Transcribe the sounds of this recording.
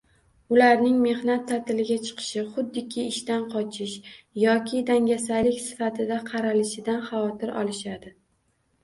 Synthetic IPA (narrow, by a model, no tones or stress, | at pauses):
ʊlaɾnɪŋme̞hnat̪ʰːat̪ɪlɪɡʲat͡ʃʰɨ̥qʰɨ̥ʃɪχʊd̪ːɪkʲʰɪɪʃt̪anqʰɒt͡ʃʰɪʃjɒkʲʰɪd̪aŋɡʲasalɪkʲsɪ̥fat̪ʰɪd̪aqʰɑɾalɪʃɪd̪anχɑvɒt̪ɪɾʔɒ̰lˠɪʃad̪ɪ